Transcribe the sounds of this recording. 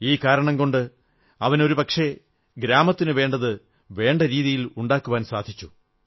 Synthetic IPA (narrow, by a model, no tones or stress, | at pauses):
iːkaːɾɐɳɐmko̞ɳɖɨ | ɐʋɐno̞ɾupɐkʂe̞ | ɡɾaːmɐt̪ːinɨʋe̞ːɳɖɐðɨ | ʋe̞ːɳɖɐɾiːðijiluɳɖaːkːuʋaːnsaːd̪ʱit͡ɕːu̥